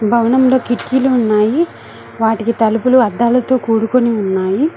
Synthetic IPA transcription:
bʱɐwɐɳɐmlo̞ːkiʈkiːluːnːaːji | ʋaːʈikit̪ɐlupuluɐd̪ːaːlɐt̪o̞ːkuːɽukoniunːaːji

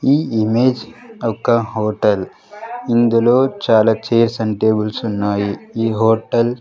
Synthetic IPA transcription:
iːimeːd͡ʒɔkːɐɦoːʈɐl | ind̪ulo̞ːt͡ʃaːlaːt͡ʃeːɾsɐɳʈeːbulsunːaːjiiːɦoːʈɐl

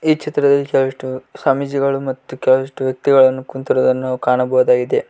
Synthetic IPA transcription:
iːkt͡ʃʰit̪ɾɐd̪ɐlːikɛlʋɐʂʈusaːmid͡ʒiɡɐɭumɐt̪ːukɛlɐʋɐʂʈuʋjɐk̚t̪iɡɐɭɐnːukunt̪iɾɐd̪ɐnːukaːɳɐbɐʋɐd̪aːɡid̪e̞

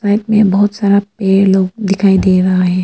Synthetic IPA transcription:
saːɪʈ̚mẽbɐɦʊt̪saːɾapeːloːɡ̚d̪ɪkʰaːid̪eːɾɐɦaɦɛ̃ː

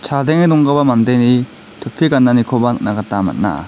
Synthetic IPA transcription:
t͡ʃʰadɛŋedɔŋɡabamandajni | tʰɯppʰːiɡanːanikʰobanaɡatːama̰t̚na̰

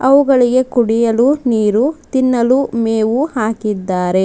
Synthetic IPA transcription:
ɐʋuɡɐɭiɡe̞kuɽijɐluniːɾut̪inːɐlumeːʋuhaːkid̪ːaːɾe̞

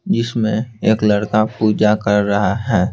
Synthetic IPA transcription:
d͡ʒɪsmẽeːklɐɽkapuːd͡ʒakɐɾːɐɦaɦɛː

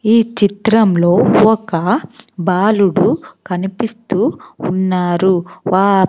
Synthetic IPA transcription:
iːt͡ʃit̪ɾɐmlo̞ːɔkɐbaːluɽukɐnipist̪uːnːaːɾuʋaː

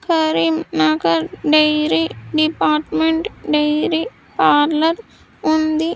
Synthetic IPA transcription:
kɐɾimnakɐɾɖɐjɾiɖipaːɾʈmeɳʈɖejɾi | paːɾlɐɾ | und̪i

